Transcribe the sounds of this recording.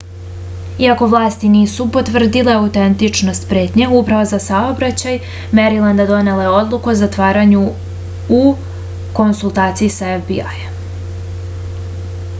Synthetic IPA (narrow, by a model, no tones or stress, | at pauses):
iako̞ʋlˠaːst̪iniːsupo̞t̪ʋr̩d̪ile̞aut̪ent̪it͡ʂno̞st̪pɾe̞ːt̪ɲeupɾaʋozasao̞bɾat͡ɕaj | meɾilˠand̪ad̪o̞ne̞le̞o̞d̪lˠukuozat̪ʋaːɾaɲu | u | ko̞nsulˠt̪aːt̪sijisaefbia̰j